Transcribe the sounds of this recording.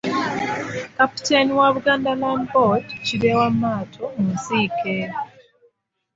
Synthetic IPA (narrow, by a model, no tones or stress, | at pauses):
kapi̥teniwaβuɡaːndalambodciɾewamːaːtʰomusiːke